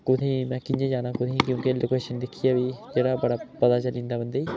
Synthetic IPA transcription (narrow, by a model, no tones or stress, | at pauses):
kʊt̪ʰẽːmɛ̃ːkɪɲd͡ʒẽːd͡ʒaːnãːkʊt̪ʰẽːkjõːkeloːkeːʃənd̪ɪkʰijaːʋiːd͡ʒeːɽaːbəɽaːpət̪aːt͡ʃəlɪ̃nd̪aːbənd̪eiː